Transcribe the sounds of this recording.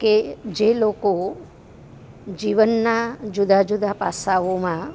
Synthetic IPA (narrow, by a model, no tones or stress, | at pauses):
ked͡ʒeloko | d͡ʒiʋənːad͡ʒʊd̪ad͡ʒud̪ʱapasaʋomã